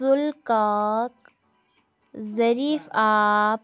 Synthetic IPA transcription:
ʊlkaːk̚ | zɐɾiːfaːp

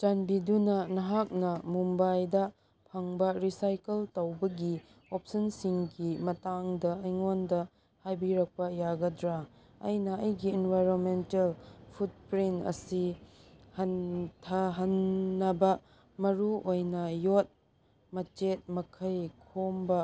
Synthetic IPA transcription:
d͡ʒanbidunɐnɐɦak̚nɐmumbajdɐ | pʰɐŋbɐɾisajkeltɐwbɐɡi | op̚sɐnsiŋɡimɐtaŋdɐːjŋondɐ | hajbiɾɐk̚pɐjaɡɐdɾa | ɐ̰jnɐɐjɡiːnbajɾonmentelpʰut̚pɾintɐ̰si | hɐntʰɐɦɐnːɐbɐ | mɐɾuojnɐjot̚ | mɐt͡ʃet̚mɐkʰɐjkʰombɐ

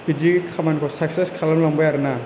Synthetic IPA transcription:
bid͡ʒiɡikʰamankʰɔsak̚seskʰalamlaŋbajaɾɯna

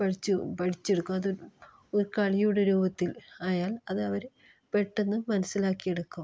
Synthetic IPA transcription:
pɐʈit͡ɕːupɐʈʰit͡ɕːeɽukːumɐð | oɾkaɭijuːɽeɾuːbɐt̪ːilaːjaːlɐðɐʋɐɾ | pe̞ʈːenːɨmɐnɐsilaːkːije̞ɽukːu

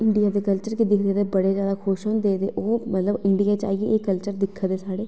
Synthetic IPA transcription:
ɪɳɖijaːd̪eːkəlt͡ʃəɾkid̪ɪkʰd̪eːd̪eːbəɽeːzjaːd̪aːkʰoʃɦõnd̪eːt̪eʔoːmət̪ləbɪɳɖijaːt͡ʃa̰ːieeːkəlt͡ʃəɾd̪ɪkʰːad̪eːsaːɽeː

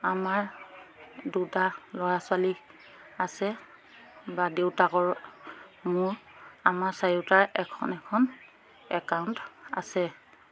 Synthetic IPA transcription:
amaɹ | dutalɔɹasʊali | asɛ | badeʊtakɔɹ | mʊɹamaɹsaɹitaɹɛkʰɔ̰nɛkʰɔn | ɛkawnta̰sɛ

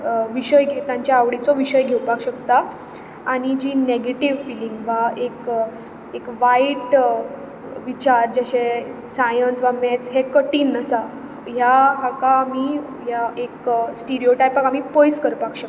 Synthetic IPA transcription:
ʋiɕəjɡʱet̪ãɲt͡ɕjaːʋɽit͡sɔʋiɕəjɡʱewpakɕəkt̪a | aɽ̃id͡ʑineɡeʈiʋfiliŋɡʋaek | ekʋaiʈ | ʋit͡ɕaɾd͡ʑaɕe | sajənsʋamet͡sɦekəʈiːnəsa | ɦjaɦakaːmi | jaeksʈiɾioʈajpakam̤ipojskəɾpakɕək̚

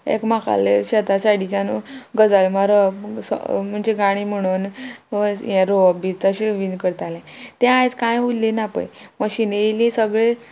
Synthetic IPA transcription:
ḛkmaka̰leɕɛt̪asaɽit͡ɕanuɡəd͡zalmaɾəpsɔ̰m̤əɳd͡ʑeɡaɽ̃im̤əɽ̃uːnəjɛ̃ɾoəbit͡st̪əɕiʋiːnkəɾt̪alɛ̃t̪ɛ̃ajt͡skãjɦulːinapə̰jməɕineilĩsəɡɭe

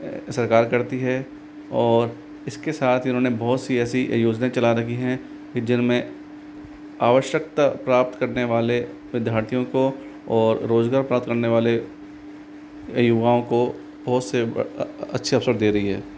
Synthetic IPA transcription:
sɐɾkaːɾkɐɾt̪iɦɛ | ɔːɾ | ɪskesaːt̪ʰjɪnɦõnebɔɦʊt̪siɛːsiʔjoːd͡ʒnaːẽt͡ʃɐlaɾɐɦiɦɛ̃ | kid͡ʒɪnmẽ | aːʋəʃjək̚t̪apɾaːp̚t̪kɐɾneʋaːle | ʋɪd̪jaːɾt̪ʰijõko | ɔːɾːoːzɡaːɾpɾaːp̚t̪kɐɾneʋaːle | jʊʋaːõko | b̥ɔɦʊt̪seɐtːʃʰiɐfsəɾd̪eːɾɐɦiɦɛː

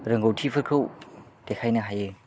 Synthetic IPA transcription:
ɾɐŋɡowtʰipʰɐɾkʰɯwtekʰajnɐɦajɯ

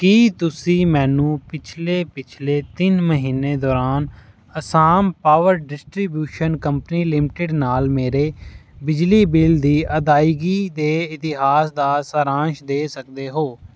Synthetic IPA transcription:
kiːt̪ʊsĩːmɛ̃ːnũːpɪt͡ʃʰleːpɪt͡ʃʰleːt̪ɪnməɦiːneːd̪ɔːɾaːn | əsaːmpaːʋəɾɖɪsʈɾiːbjuːʃənkəmpniːlɪmɪʈɪɖnaːlmeːɾeːbɪd͡ʒliːbɪld̪iːʔəd̪aːiːɡiːd̪eːɪt̪ɪɦaːsd̪aːsəɾãːʃd̪eːsək̚d̪eːɦoː

